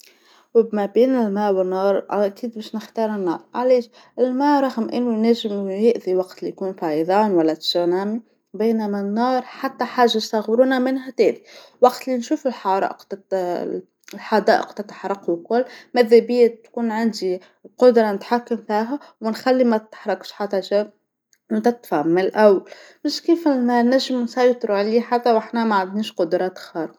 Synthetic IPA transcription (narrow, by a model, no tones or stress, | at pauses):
wmæbiːnɪlmæːʔwɪnːɑːɾˤʔa̰ʔkiːd̪bɛʃnəxt̪ɑːɾˤənːɑːɾˤʕaliːʃ | ʔɪlmæːʔɾˤɑɣmʔɪnːujnæʒɪmjɪʔðiwɑqt̪lijkuːnfɑʕjðˤɑːnwælːæt̪ʃɑnæːmi | bæːnæmænːɑːɾˤħat̪ːæħaːʒːajst̪aɣɾuːnæmɪnɦæt̪æːʔdiwɑqt̪linʃuːfɪlħɑɾˤɑ̰ːʔqt̪ | lħad̪ɑ̰ːʔə̰qt̪at̪aħɾˤɑqwkʊlːmæðæbiːt̪kuːnʕand̪i | qʊd̪ɾˤɑmʊt̪ħakːɪmfiːɦæ | wmɪnxælːimæt̪ːħɾˤɑkʃħat̪æʒæ | wt̪ɪt̪faʕmɪlʔawːal | mɪʃkiːfnːæʒɪmnsɑjt̪ˤɾuʕliːħat̪ːæwʔaħnæmaʕad̪niːʃqʊd̪ɾˤɑːt̪xɑːɾq